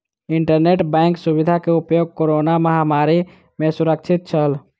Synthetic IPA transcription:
iɳʈəɾneʈbɛ̃ɪŋksuβid̪ʱakeupjoɡ̚koɾonaməɦamaɾi | mẽsuɾək̚t͡ʃʰit̪̚t͡ʃʰəl

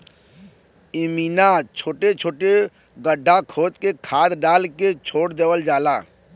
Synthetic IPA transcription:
ɪmiːnat͡ʃʰoːʈet͡ʃʰoːʈe | ɡəɖʱːakʰoːt̪kekʰaːd̪ɖaːlket͡ʃʰoːɽd̪eːwəld͡ʒaːlaː

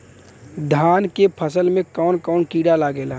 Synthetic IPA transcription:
d̪ʱaːnkepʰəsəlmẽkɔːnkɔːnkiːɽalaɡela

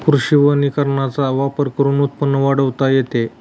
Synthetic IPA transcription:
kuɾɕiʋənikəɾɳat͡saʋapəɾkəɾunut̪̚pənːəʋaɽəʋt̪ajet̪e

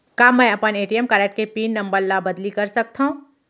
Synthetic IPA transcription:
kaːmɛ̃ːɐpəneːʈijəmkaːɾek̚ʈ̚kepiːnːɐ̃mbəɾlabɐd̪likɐɾsɐk̚t̪aɦũː

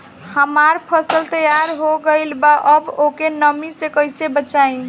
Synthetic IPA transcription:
həmaɾpʰəsəlt̪əjaɾɦoɡəlbaʔəbokenəmisekəjsebət͡ʃai

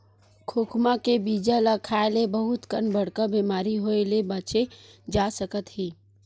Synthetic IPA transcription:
kʰoːkʰmakebiːd͡ʒalakʰaːelebəɦʊt̪kənbəɽ̤kabiːmaːɾiɦoelebət͡ʃed͡ʒaːsəkət̪ɦiː

